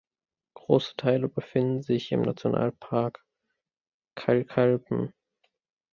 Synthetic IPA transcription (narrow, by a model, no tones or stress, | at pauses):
ɡ̥ʁoːsə̥tʰaɪləbəfɪndn̩zɪçɪ̰mnat͡sjona̰ːlpʰaɐk | kʰalkʰalpm̩